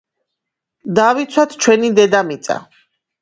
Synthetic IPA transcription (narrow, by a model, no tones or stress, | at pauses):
d̪avit̪sʰwat̪ʰt͡ʃʰwɛnid̪ɛd̪amit̪sʼa̰